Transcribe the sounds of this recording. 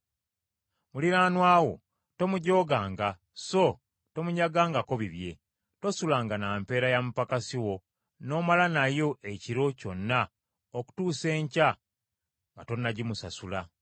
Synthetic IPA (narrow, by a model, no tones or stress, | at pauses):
muliɾaːnwaːwo̞̰ | to̞muɟo̞ːɡaːŋɡa | so̞ | to̞muɲaɡaːŋɡako̞βiβje̞ | to̞sulaːŋɡanaːmpe̞ːɾajamupakasiwo̞ | no̞ːmalanajo̞ʔe̞ciɾo̞co̞nːa | oku̥tuːse̞ːɲca | ŋɡato̞nːaɟimusasula